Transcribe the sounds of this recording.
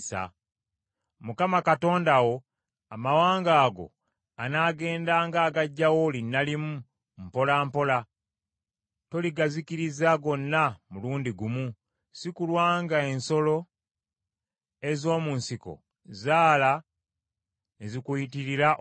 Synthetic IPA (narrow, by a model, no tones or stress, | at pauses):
sa̰ | mukamakato̞ːndawo̞ | amawaːŋɡaːɡo̞̰ | anaːɡe̞ːndaːŋɡaːɡaɟːawolinːalimu | m̩po̞lampo̞la | to̞liɡazikiɾizaɡo̞nːamuluːndiɡumu | sikulwaːŋɡae̞nso̞lo̞ | e̞zo̞ːmunsiko̞̰ | zaːla | ezikujitiɾiɾa